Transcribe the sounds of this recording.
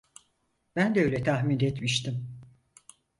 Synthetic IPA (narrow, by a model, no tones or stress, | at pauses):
b̥ænd̪ɛøjlʲɛt̪ʰaɦminɛt̪miʃt̪im